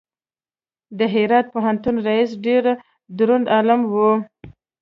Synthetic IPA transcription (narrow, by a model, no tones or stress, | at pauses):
d̪əɦɪɾɑt̪̚poɦant̪unɾais̬ɖeɾ | d̪ɾund̪alamwu